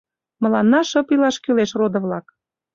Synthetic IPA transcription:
məlɑnːɑʃɤpilɑʃkyleʃrod̪ɤ̆βlɑk

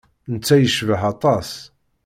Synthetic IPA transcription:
nət͡sːæjəʃvəɦɑt̪ˤɑs

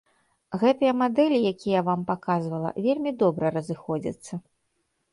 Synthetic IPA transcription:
ɣɛt̪ɐjɐmad̪ɛlʲijakʲijɐvampakazvɐlˠɐ̰vʲelʲmʲid̪ɔbɾɐɾɐzɨxɔd͡zʲḭt̪sːɐ

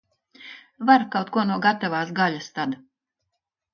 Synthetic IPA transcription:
vaɾkawt̪̚kuɔnuɔɡat̪avaːsɡalʲast̪ad̪

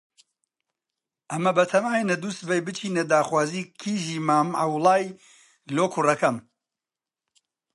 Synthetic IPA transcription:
ʔɐmɐbɐt̪ʰɐmaːjnɐd̪usbɐjbɨt͡ʃʰiːned̪aːxwaːziːkʰiːʒiːmaːma̰wlˠaːj | loːkʰʊrɐkɐm

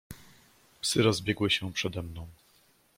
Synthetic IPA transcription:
psɘɾɔzbʲjɛɡwɘɕɛpʂɛd̪ɛmnɔ̃w̃

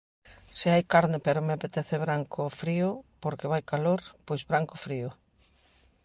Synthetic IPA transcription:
sɪajkaɾnɪpeɾʊmeapet̪eθeβɾaŋkʊfɾiʊpoɾkeβajkaloɾpojzβɾaŋkʊfɾiʊ

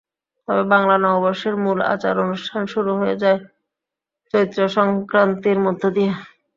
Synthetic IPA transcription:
t̪ɔbebaŋlanɔobɔɾʃeɾmula̰t͡ɕaɾonuʃʈʰanʃuɾuɦojed͡ʑae | t͡ɕoɾit̪ːɾoʃɔŋkɾant̪iɾmod̪ʱːod̪ije

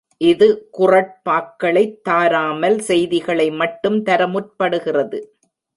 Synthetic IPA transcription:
ʔɪðɯkʊrɐʈ̚paːkːɐɭɐɪt̪ːaːɾaːmɐlsɛjðɪɣɐɭɐɪmɐʈːɯmt̪ɐɾɐmʊr̚pɐɽɯɣɪrɐðɯ

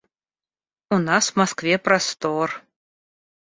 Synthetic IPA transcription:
unaswmaskvʲɛpɾast̪ɔr

